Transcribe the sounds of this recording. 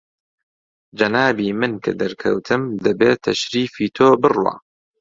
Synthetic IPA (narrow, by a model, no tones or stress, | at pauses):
d͡ʒɐnaːbiːmɨnkʰɐ̰d̪ɐɾkʰɐ̰wt̪ʰɨmd̪ɐbeːt̪ʰɐʃɾiːfiːt̪ʰoːbɨrwa̰ː